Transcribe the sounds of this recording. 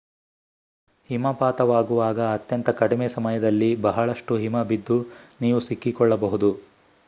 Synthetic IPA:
himɐpaːt̪ɐʋaːɡuʋaːɡɐːt̪jɐnt̪ɐkɐɽimeːsɐmɐjɐd̪ɐlːibɐɦɐɭɐʂʈuɦimɐbid̪ːuniːʋusikːikɔɭːɐbɐɦud̪u

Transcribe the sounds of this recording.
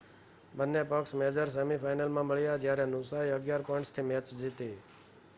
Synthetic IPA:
bənːepəksmed͡ʒəɾs̬emifaɪnəlmãməɭjad͡ʒjaɾenʊsaiəɡjaɾpɔɪɳʈst̪ʰimɛt͡ʃd͡ʒit̪e

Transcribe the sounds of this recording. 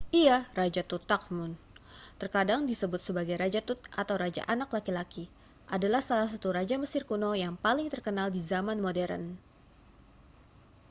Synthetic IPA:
ʔiarad͡ʒat̪ut̪ak̚mʊn | t̪ərkadaŋdisəbʊt̪̚səbaɡajɾad͡ʒat̪ut̪at̪awɾad͡ʒa̰ʔanaklakilaki | ʔadalahsalahs̬at̪uɾad͡ʒaməsɪrkunojaŋpalɪŋt̪ərkənaldizamanmodɛɾə̰n

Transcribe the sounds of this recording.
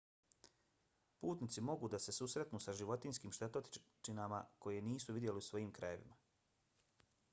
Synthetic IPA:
puːt̪nit̪simo̞ɡud̪ase̞susɾe̞t̪nuːsaʒiʋo̞t̪inskiːmʃt̪e̞t̪ot͡ʃinama̰ko̞jeniːsuʋid̪je̞liusʋo̞jiːmkɾaje̞ʋḭma

